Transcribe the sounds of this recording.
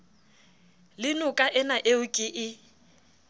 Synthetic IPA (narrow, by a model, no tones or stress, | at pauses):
lɪnʊkʼaʔɪnaʔeʊkʼɪʔɪ